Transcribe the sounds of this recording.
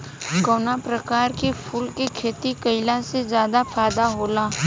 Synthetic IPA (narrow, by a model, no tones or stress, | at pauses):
koːnapɾɐkaːɾkipʰuːlkikʰeːt̪ikɐɪlasezjaːd̪afʰaːd̪aɦoːlaː